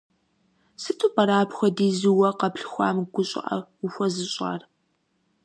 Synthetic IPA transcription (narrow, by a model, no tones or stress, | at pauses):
sɨtʰʼuːpɐɾaːpxʷɔdiːzɨwɐqɐpɬxʷɑ̰ːmɡʷʊɕʼɪ̰ʔɐ̰ʊxʷɔzɨɕʼa̰ːr